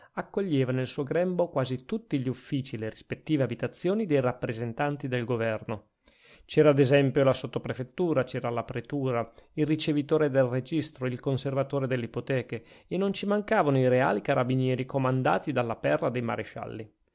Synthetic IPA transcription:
akːoʎːeːvanelsuːoɡɾɛmbokwaːzit̪ut̪ːiʎiufːiːt͡ʃileɾispet̪ːiːveabit̪at̪sːjoːnid̪ejrapːɾezent̪ant̪id̪elɡovɛrno | t͡ʃɛːɾaːd̪ezɛmpjolasot̪ːopɾefet̪ːuːɾat͡ʃɛːɾalapɾet̪uːɾailrit͡ʃevit̪oːɾed̪elred͡ʒist̪ɾoilkonservat̪oːɾed̪elːeipot̪ɛːkeenːont͡ʃimaŋkaːvanoiɾea̰ːlikaɾabinjɛːɾikomand̪a̰ːt̪id̪alːapɛrːad̪ejma̰ɾeʃa̰lːi

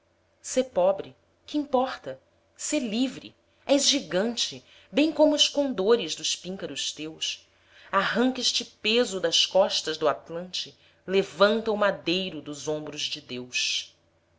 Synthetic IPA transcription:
seɾpɔbɾɪ | kɪĩmpɔχt̪ɐ | seɾlivɾɪ̰ | ɛzʒiɡɐ̃nt͡ʃɪ | bẽj̃kõmʊɪʃkõnd̪oɾɪzd̪ʊspĩŋkɐɾʊst̪ews | aɦɐ̃ŋkeʃt͡ʃɪpezʊd̪ɐskɔʃt̪ɐzd̪ʊat̪lɐ̃nt͡ʃɪ | levɐ̃nt̪ɐʊmad̪ejɾʊd̪ʊzõbɾʊzd͡ʒɪd̪ews

